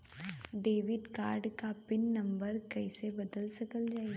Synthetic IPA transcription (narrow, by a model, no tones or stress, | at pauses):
ɖeːʋɪɖkaːɾɖkapɪnːɐ̃mbəɾkɛɪsebɐd̪əlsɐkəld͡ʒaːi